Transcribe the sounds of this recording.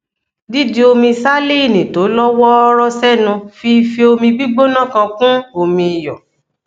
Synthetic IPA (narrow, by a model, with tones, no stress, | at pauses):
di˦d͡ʒi˦o˧mĩ˧sa˦le˦i˦˨nĩ˨to˨˦lɔ˦wɔ˦ɾɔ˦sɛ˦˨nũ˧fi˧fe˧o˧mĩ˧bi˦ɡ͡bo˦nã˦˨kã˧kũ˦o˧mĩ˧i˨jɔ˨